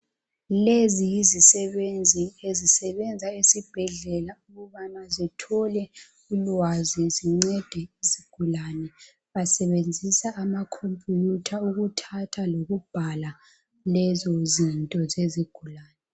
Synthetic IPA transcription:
lezijizisɛβend͡zʱiezisɛβɛnd͡zʱaesib̥ʱɛɮɛlauɣuβanazitʰɔlɛ | ulwaziziŋ͡ǀɛd̥ʱɛiziɡ̥ʱulanɛ | βasɛβend͡zʱisaʔːmakʰompʼjutʰauɣutʰatʰaloɣub̥ʱala | lɛzɔzintʼɔzeziɡ̥ʱulaːnɛ

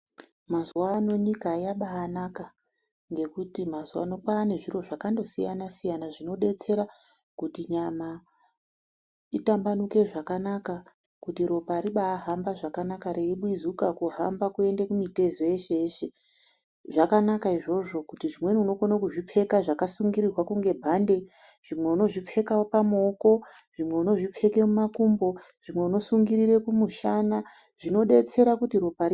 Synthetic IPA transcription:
mazuwano̞ɲikaːjaɓaːnaka | ŋɡe̞kutimazuwa̰no̞kwaːne̞ʐiro̞ʐakando̞sija̰nasijanaʐino̞ɗe̞t͡se̞ɾa | kutiɲama | itambanuke̞ʐakanaka | kutiɾo̞paɾiɓaːɦambaʐakanakaɾe̞iɓwizukakuɦambakue̞ndekumite̞zoeʃeeʃe | ʐakanakaiʐo̞ʐo̞kutiʐimwe̞niuno̞konakuʐip͡fe̞kaʐakasuŋɡiɾirwakuŋɡe̞bʱande̞ | ʐ̥imwe̞uno̞ʐip͡fe̞kaopamoko̞ | ʐ̥imwe̞uno̞ʐip͡fe̞ke̞mumakumbo̞ | ʐ̥imwe̞uno̞suŋɡiɾire̞kumuʃana | ʐ̥ino̞ɗe̞t͡se̞ɾakutiɾo̞pai

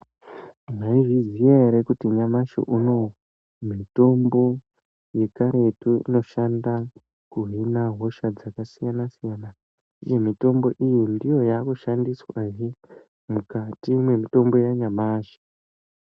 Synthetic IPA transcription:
naiʐizijaɦeɾekutiɲamaʃo̰ʔuno̞ | mito̞mbo̞ | je̞kaɾe̞tuḭno̞ʃanda | kuɦinaɦo̞ʃad͡zakasijanasijana | uje̞mito̞mbo̞ʔijindijo̞jaːkuʃandiswaɦi | mukatimwe̞mito̞mbo̞jaɲamaːʃḁ

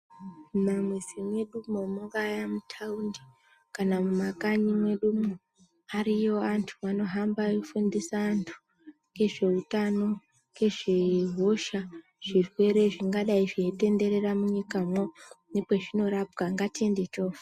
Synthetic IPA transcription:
mumamwezimwe̞ɗumomuŋɡajamutʰaundi | kanamumakaɲimwe̞ɗumo | arijo̞antʰuʋano̞ɦambafundisaːntʰu̥ | ke̞ʐe̞utano̞ | ke̞ʐeɦo̞ʃa | ʐ̥irwe̞ɾe̞ʐiŋɡaɗaiʐiete̞nde̞ɾe̞ramuɲikamwonepeʐino̞ɾapɡaŋɡatiende̞t͡ʃo̞fe

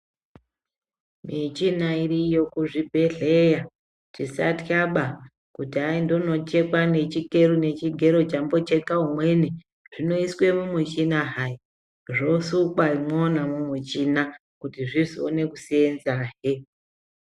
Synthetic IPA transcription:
mit͡ʃinaiɾijo̞kuʐibʱe̞ɮeja | t͡ʃisa̰tjaɓa | kutiaindono̞t͡ʃe̞kwane̞t͡ʃike̞ɾune̞t͡ʃiɡʱe̞ɾo̞t͡ʃambo̞t͡ʃe̞kaumwe̞ne | ʐ̥ino̞iswe̞mumut͡ʃinaɦai | ʐo̞sukwaimonamumwit͡ʃina | kutiʐizio̰ne̞kusenzaːɦe

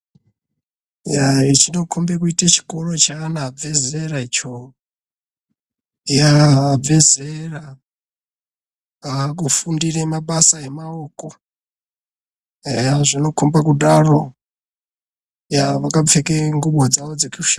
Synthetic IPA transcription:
jait͡ʃino̞kʰombekuitet͡ʃi̥koɾo̞t͡ʃaːnavezreɾait͡ʃo | jave̞zrera | akufundiɾemaɓasaemaoko | aʐino̞kʰombakuɗaro̞ | jaʋakap͡fekeŋɡuɓwad͡zaʋod͡zekuuʃa

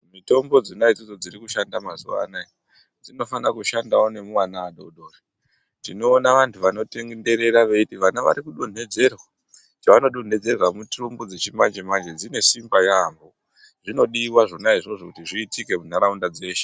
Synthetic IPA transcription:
mito̞mbo̞d͡zinaid͡zod͡zo̞d͡ziɾikuʃandamazuʋa̰nai | d͡zino̞fanakuʃandaone̞muwanaːɗo̞ɗo̞ːra | tino̞ːnaʋantʰuʋano̞te̞ŋɡende̞ɾe̞ɾaʋe̞itiʋanaʋa̰ɾikuɗo̞n̤e̞d͡ze̞rwa | t͡ʃaʋano̞ɗon̤e̞d͡ze̞rwamutrumbod͡zet͡ʃimand͡ʒemand͡ʒe̞d͡zine̞simbajambo | ʐino̞ɗiːwaʐo̞naiʐo̞ʐokutiʐiːtike̞mun̤aɾaundad͡ze̞ːʃe̥

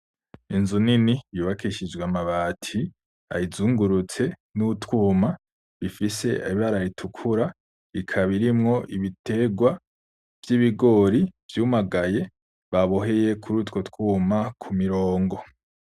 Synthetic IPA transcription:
inzuninijuːβakiʃid͡ʒweamaβaːtʰi | a̰jizuːŋɡuɾut͡se̞nutwuːma | βifise̞aiβaɾaɾitʰukʰuɾa | βikʰaβiɾimŋo̞ʔiβite̞ɡwa | v̥jiβiɡo̞ɾiv̥juːmaɡaje̞ | βaβoɦe̞je̞kʰuɾuːtko̞twuːmakʰumiɾo̞ːŋɡo̞

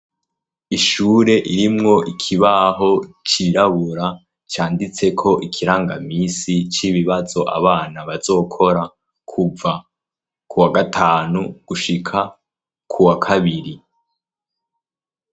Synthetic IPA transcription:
iʃuːɾe̞ʔiɾimŋo̞ʔikʰiβaɦo̞t͡ʃiɾaβuɾa | t͡ʃaːndit͡se̞kʰo̞ʔikʰiɾaːŋɡa̰miːsit͡ʃiβiβazo̞ʔa̰βaːnaβazo̞ːkʰo̞ɾa | kʰuva | kuwaɡatʰaːnuɡ̥uʃikʰa | kʰuwakʰaβiɾi

